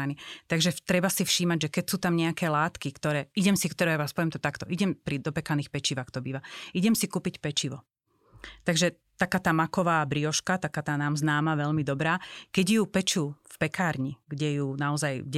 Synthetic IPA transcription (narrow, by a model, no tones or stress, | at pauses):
anit̪aɡʒɛt̪ɾɛbasifʃiːmaɟʒɛkɛcsuːt̪amɲɛakɛːlaːt̪kikt̪ɔɾɛːiɟɛmsikt̪ɔɾɛjaʋaːspɔʋɛmt̪ɔt̪akt̪ɔʔiɟɛmpɾid̪ɔpɛkaniːxpɛt͡ʃiʋaxt̪ɔbiːʋaiɟɛmsikuːpicpɛt͡ʃiʋɔ | t̪aɡʒɛ | t̪akaːt̪aːmakɔʋaːbɾiɔʃkat̪akaːt̪aːnaːmznaːmaʋɛʎmid̪ɔbɾaːkɛɟjuːpɛt͡ʃuːfpɛkaːɾɲiɡɟɛjuːnaɔzajɡɟ